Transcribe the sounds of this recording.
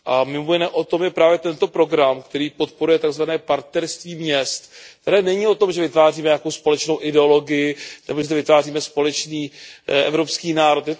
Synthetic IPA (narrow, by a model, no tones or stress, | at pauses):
ʔamɪmojɪnɛːʔo̞t̪o̞mjɛpɾaːvjɛt̪ɛnt̪o̞pɾo̞ɡɾamkt̪ɛɾiːpo̞t̪poɾujɛt̪aɡzvanɛːpaɾt̪nɛɾst̪viːmɲɛst̪t̪ɛɾɛːnɛɲio̞t̪o̞mʒɛvɪt̪vaːriːmɛɲako̞wspo̞lɛt͡ʃno̞wʔɪdɛo̞lo̞ɡɪjɪnɛbo̞ʒɛt̪ovɪt̪vaːriːmɛspo̞lɛt͡ʃniːʔɛ̰vɾo̞pskiːnaːɾo̞t̪jɛ